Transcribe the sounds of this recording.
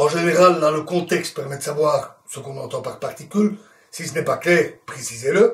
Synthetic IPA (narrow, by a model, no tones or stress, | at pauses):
ɑ̃ʒeneʁald̪ɑ̃ləkɔ̃t̪ɛkst̪̚pɛʁmɛd̪əsavwaːʁsəkɔ̃nɑ̃t̪ɑ̃paʁpaʁt̪ikʲyl | sisənɛpaklɛːʁpχesizelə